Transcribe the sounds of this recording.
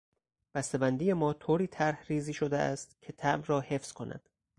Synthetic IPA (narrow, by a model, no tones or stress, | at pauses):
b̥æst̪e̞bænd̪iːje̞mɒːt̪ʰoːɾiːt̪ʰæɾhriːziːʃo̞d̪eʔæ̰st̪cʰe̞t̪ʰæʔmrɒːhe̞fz̥kʰo̞nʔæ̰d̪̥